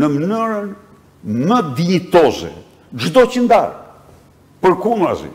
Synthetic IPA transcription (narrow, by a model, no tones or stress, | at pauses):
nəmənyɾən | məd̪iɛt̪ɔzɛ̰ | d͡ʒd̪ɔcənd̪a̰ɾ | pəɾkunɾa̰zḭ